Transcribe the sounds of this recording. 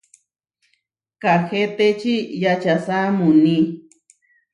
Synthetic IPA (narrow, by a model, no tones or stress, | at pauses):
kaxet̪et͡ʃijat͡ʃasamuni